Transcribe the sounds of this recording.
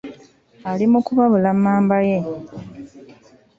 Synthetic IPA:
alimukuβaβulamːaːmbajem

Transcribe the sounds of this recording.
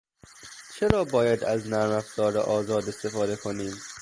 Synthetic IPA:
t͡ʃʰeɾɒːbɒːjæd̪æznæɾmæfz̥ɒːɾḛʔɒːzɒːd̪e̞st̪e̞fɒːd̪e̞kʰoniːm

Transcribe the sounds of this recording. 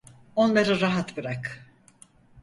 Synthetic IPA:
o̞nlˠaɾɯɾaɦat̪bɯɾak

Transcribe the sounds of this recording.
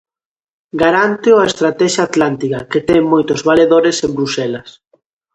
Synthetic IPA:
ɡaɾant̪eʊaest̪ɾat̪ɛʃaːt̪lant̪ikaket̪ɛŋmojt̪ʊzβaleðoɾesẽmbɾusɛlɐs

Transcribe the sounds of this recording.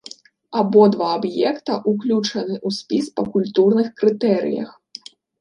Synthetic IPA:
abɔd̪vaːbjɛkt̪ɐʔuklʲut͡ʂɐnɨʔusʲpʲispɐkulʲt̪urnɨxkɾɨt̪ɛɾɨ̰jɐ̰x

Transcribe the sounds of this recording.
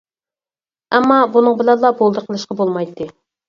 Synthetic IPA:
ɛmːɑbunɨŋbɪlɛnlˠɑbolˠd̪əɾqʰəlˠɨʃqɑbolˠmɑjt̪ʰːɨ

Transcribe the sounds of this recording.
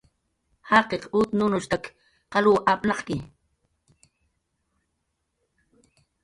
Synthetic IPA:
hɑqequt̪nʊnʊʃt̪ak | qɑluːʔapnɑχkɪ

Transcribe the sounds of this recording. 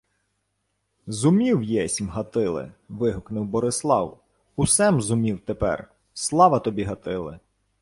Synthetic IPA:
zʊmʲiwjɛsʲmɦɐt̪ɪlˠɪ̰ʋɪɦʊknʊwbɔɾɪslˠɑ̰w | ʊsɛmzʊmʲiwt̪epɛ̰r | slˠɑʋɐt̪ɔbʲiɦɐt̪ɪlˠɪ̰

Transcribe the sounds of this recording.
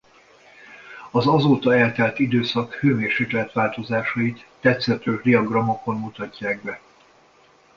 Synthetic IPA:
ɒzɒzoːt̪ɒɛlt̪ɛlt̪id̪øːsɒkhøːmeːrʃeːklɛt̪ʋaːlt̪o̞zaːʃɒit̪ːɛt̪sɛt̪øːʒd̪iɒɡrɒmo̞ko̞mmut̪ɒcːaːɡ̚bɛ

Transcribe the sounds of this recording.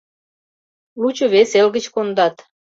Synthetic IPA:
lut͡ɕoβeselɣə̆t͡ɕkond̪ɑt̪

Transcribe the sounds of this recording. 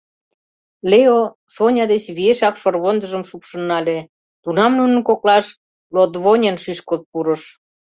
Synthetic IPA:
leo | sonʲɑd̪et͡ɕβieʃɑkʃorβond̪ə̆ʒəmʃukʃɤ̆nːɑlʲe | t̪unɑmnunə̆nkoklɑʃ | lod̪βonʲenʃiʃkot̪̚puɾɤ̆ʃ

